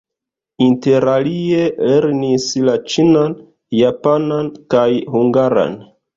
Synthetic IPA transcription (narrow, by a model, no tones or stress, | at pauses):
inte̞ɾalie̞le̞ɾnislat͡ʃinan | japanankajɦuŋɡaɾa̰n